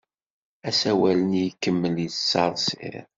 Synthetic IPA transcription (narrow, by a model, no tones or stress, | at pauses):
æsæwælənjkːəmːəljəsːɑɾˤsɪ̰ɾ